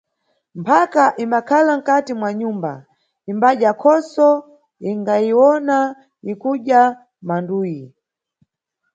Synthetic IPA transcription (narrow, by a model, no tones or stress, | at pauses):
mpʰakaʔimbakʰalaŋ̩katimwaɲumba̰ | imbaʄjakʰɔsɔ | iŋɡajiwɔna | ikuʄa | manduːji